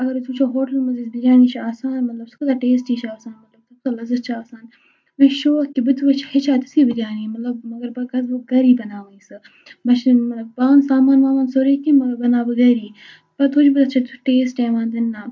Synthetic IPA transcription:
ɐɡɐɾt̪ʰut͡ʃʰoːɦoːʈɐlmɐzisbɪɾʲaːniːt͡ʃʰaːsaːnmɐt̪lɐbsʊ̥kʰd̪aːʈeːsʈiːt͡ʃʰaːsaːnmɐt̪lɐb̚t̪ukt̪alɐzɐst͡ʃʰaːsaːn | mɐʃoːkibɨt̪ʋɐt͡ʃʰhet͡ʃʰaːt̪u̥siːbiɾʲaːniːmɐt̪lɐbmɐɡɐɾbɐɡɐzbɨɡɐɾiːbɐnaːʋɐiːsɨ | bɐt͡ʃmɐt̪lɐb̚baːnsaːmaːnʋaːʋaːnsoɾiːkimɐɡɐbɐnaːbɨɡɐːɾiː | pɐt̪ut͡ʃʰbɨt̪ɐt͡ʃʰɐt̪uʈeːsʈeːʋaːnd̪ɪnːaː

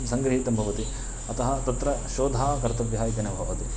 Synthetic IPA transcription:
msɐŋɡɾɐɦit̪ɐmbʱɐʋɐt̪i | ɐt̪ɐɦɐt̪ɐt̪ɾɐʃoːd̪ʱaːkɐɾt̪ɐʋjɦaːjit̪ɐnɐbʱɐʋɐt̪i

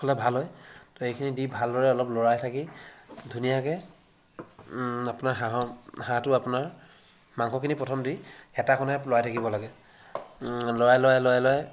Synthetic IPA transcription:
kʰɔlɛbʱalɦɔjtɔejkʰinidibʱaldɔɹɛɔlɔplɔɹajtʰakidʱunijakɛ | apʊnaɹɦaɦɔhãtʊapʊnaɹ | maŋkʰɔkʰinipɹɔtʰɔmdixɛtakʰɔnɛlojajtʰakibɔlaɡɛ | lɔɹajlojajlojajlɔaj

